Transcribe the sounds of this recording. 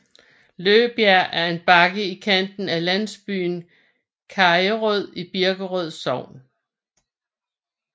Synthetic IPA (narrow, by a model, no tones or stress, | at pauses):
løːb̥jæɐ̰ʔæɐe̝nb̥ɑ̈ɡ̥əikʰæn̰d̥n̩ælæn̰sb̥y̰ːn | kʰɑ̈ɪəʁɔð̰ˠib̥iɐɡ̥əʁœð̞̰ˠsɒʊ̰n